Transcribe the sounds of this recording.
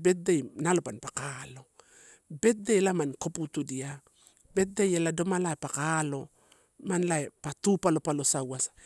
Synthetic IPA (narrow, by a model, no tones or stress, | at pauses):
be̞t̚dejnalopanpakalo̞ | be̞t̚delamankoputudia | be̞t̚dejelado̞malaepakalo̞ | manlaepatupalo̞palo̞sawasḁ